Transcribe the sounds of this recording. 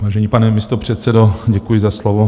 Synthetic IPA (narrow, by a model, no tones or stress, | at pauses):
vaːʒɛɲiːpanɛmɪst̪opr̝̥ɛt̪sɛdoɟɛkujɪzaslovo